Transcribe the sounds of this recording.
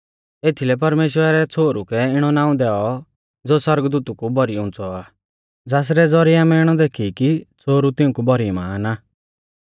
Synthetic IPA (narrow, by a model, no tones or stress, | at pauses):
eːt̪ʰilɛp̬ɐɾmeːʃwəɾaɾɛt͡sʰoːɾukɛɪɽ̃ɔnaːũd̪ɛːɔ | d͡zoːsɐɾɡd̪uːt̪ukubʱɔɾiʊ̃ːnt͡sɔaː | d͡zaːs̬ɾɛd͡zɔɾiamɛɪɽ̃ɔd̪eːkʰikit͡sʰoːɾut̪ɪũkubɔɾimaːna